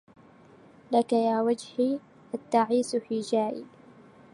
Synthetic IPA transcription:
lakajaːwad͡ʒhi | ʔat̪ːaʕiːsfiːd͡ʒaːjɪ̰b

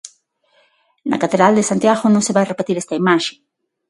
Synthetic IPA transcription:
nɐ̰kat̪eðɾald̪esant̪jaɣonõŋseβajrepet̪iɾest̪aimaʃe

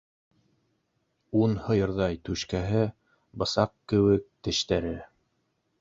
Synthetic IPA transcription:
unhɤ̆jɤ̆ɾðɑjt̪ʉʃkæɦɘ | bɤ̆sɑqkɘ̆wɘk̚t̪ɘ̆ʃt̪æɾɘ

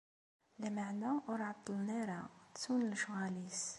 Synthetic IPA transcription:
læmaʕnæɾʕɑt̪ˤːəlnæɾæsunlʃɣælis

